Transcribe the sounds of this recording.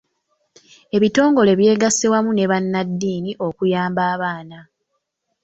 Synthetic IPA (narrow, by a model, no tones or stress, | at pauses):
e̞βito̞ːŋɡo̞le̞βje̞ːɡasewamune̞βanːadːiːniʔo̞kujaːmbaːβaːna